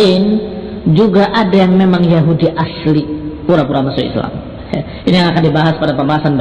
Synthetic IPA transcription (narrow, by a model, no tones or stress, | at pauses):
ɪn | d͡ʒuɡaʔadajaŋmemaŋjaɦudiʔaslipuɾapuɾamasuḭsla̰m | ja̰ | inijaŋakandibaɦaspadapəmbaɦasanb